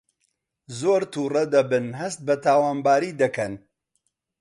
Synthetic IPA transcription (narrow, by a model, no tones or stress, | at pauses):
zoːɾt̪ʰuːrɐd̪ɐbɨnɦɐst̪̚bɐt̪ʰaːwaːnbaːɾiːd̪ɐkɐn